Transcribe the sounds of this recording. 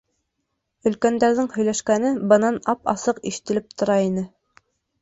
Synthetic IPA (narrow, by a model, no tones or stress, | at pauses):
ɵ̆lkænd̪æɾðɘŋhɵ̆jlæʃkænɘbɤ̆nɑnɑpɑ̰sɤqḭʃɘ̥̆t̪ɘ̆lɘp̚t̪ŏɾɑinɘ